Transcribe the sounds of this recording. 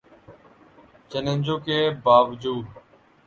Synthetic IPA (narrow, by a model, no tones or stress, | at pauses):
t͡ʃenẽnʲd͡ʒoːkeːbaːʋəd͡ʒuːd̪